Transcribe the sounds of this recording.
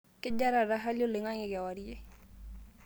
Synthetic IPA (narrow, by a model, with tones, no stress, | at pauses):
kɪ˦d͡ʒa˦ɾa˨ɾa˦ɦa˦ljo˦le˨ŋa˦ŋe˨ɡa˨wa˨ɾi˦e˦